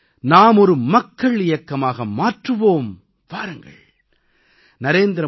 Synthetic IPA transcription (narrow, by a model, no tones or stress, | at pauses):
naːmɔɾɯmɐkːɐɭɪjɐkːɐmaːɣɐmaːʈrɯʋoːm | ʋaːɾɯŋɡɐ̰ɭ | nɐɾeːnd̪ɪɾɐ